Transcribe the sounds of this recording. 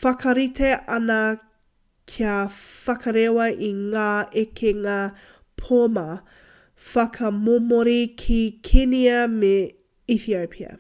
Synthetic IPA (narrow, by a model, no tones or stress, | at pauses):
fɐkɐɾiteʔɐnɐ | kʰiafɐkʰɐɾewɐʔiŋaːekʰeŋaː | pʰomɐ | fɐkʰɐmomoɾikʰikʰeniɐme | iθiopʰiɐ̰